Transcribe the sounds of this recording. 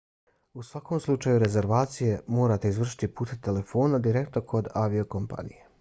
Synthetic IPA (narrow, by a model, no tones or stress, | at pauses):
usʋako̞ːmslˠut͡ʃajuɾe̞ze̞ɾʋaːt̪sije̞mo̞ːɾat̪e̞izʋr̩ʃi̥t̪ipuːt̪et̪e̞le̞fo̞ːnad̪iɾekt̪nokʰo̞d̪aʋiokompa̰nḭje